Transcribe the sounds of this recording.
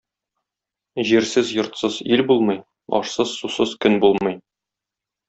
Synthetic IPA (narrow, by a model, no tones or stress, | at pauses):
ʑiɾsɘzjŏɾt̪sɤzilbulˠmɤj | ɒ̰ʃsɤz̥susɤzkɵnbulˠmɤj